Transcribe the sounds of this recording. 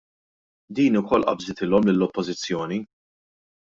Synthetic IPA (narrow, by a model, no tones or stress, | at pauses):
d̪iːnʊkɔlːʔɐ̰bzɪt̪ɪlɔmlɪlːɔpːɔzɪt͡sːjɔːni